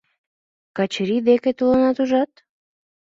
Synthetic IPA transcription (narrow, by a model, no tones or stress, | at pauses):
kɑt͡ɕɾid̪eket̪ulɑnɑt̪uʒɑt̪̚